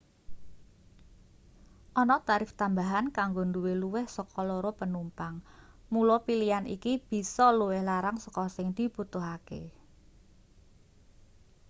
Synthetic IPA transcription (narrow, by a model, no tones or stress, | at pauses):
ʔɔnɔt̪aɾɪft̪ambaɦankaŋɡonduweluwɪhsəkɔloɾopənumpaŋ | mulɔpilijanḭkib̥i̤sɔluwɪhlaɾaŋsəkɔsɪŋd̪̥i̤b̥ut̪uɦakḛ